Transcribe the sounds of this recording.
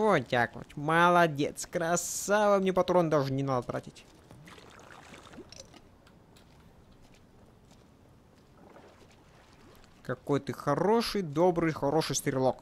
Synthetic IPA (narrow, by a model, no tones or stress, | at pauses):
otʲa̰kvɐ̰tʲmɐlˠɐdʲḛt̪skɾɐsavamnʲɛpɐt̪ɾond̪aʐɨnʲɪnad̪ət̪ɾa̰tʲɪtʲ | kɐkojt̪ɨxɐɾoʂɨjd̪obɾɨjxɐɾoʂɨjst̪ɾʲɪlˠok